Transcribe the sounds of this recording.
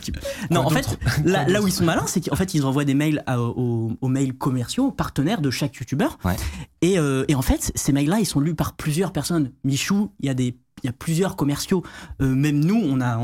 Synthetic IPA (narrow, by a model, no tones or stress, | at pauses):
nɔ̃ɑ̃fɛt̪lalauilsɔ̃malɛ̃sɛkɑ̃fɛt̪ilzɑ̃vwad̪emɛjlaoːmɛjlkɔmɛʁsjopaʁt̪ənɛʁd̪əʃakjut̪ybœʁwɛeøeɑ̃fɛt̪semɛjlːailsɔ̃lypaʁplyzjœʁpɛʁsɔnmiʃuiljad̪e | iljaplyzjœʁkɔmɛʁsjoømɛmnuɔ̃nã